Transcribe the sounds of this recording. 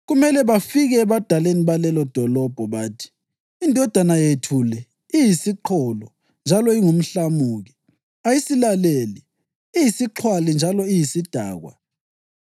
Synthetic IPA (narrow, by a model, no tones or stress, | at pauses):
ɣumɛlɛβafiɣɛːβad̥ʱaleniβalɛlɔd̥ʱɔlɔb̥ʱɔβaːtʰi̥ː | ndʱɔd̥ʱanajetʰulɛ | ijisiǃʰɔlɔ | nd͡ʒʱalɔiŋum̩ɬamuːɣi | ajisilaleli | ijisiǁʰwalind͡ʒʱalɔijisid̥ʱa̰ːɣwa̰